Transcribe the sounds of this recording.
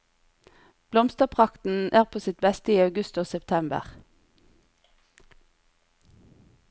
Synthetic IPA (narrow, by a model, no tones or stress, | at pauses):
b̥lɔmst̪əpʰʁɑkt̪n̩ʔæːʁpʰoːsɪt̪̚bɛst̪əiːɑʉɡʉst̪oːsɛpt̪ʰɛmbə̰ʁ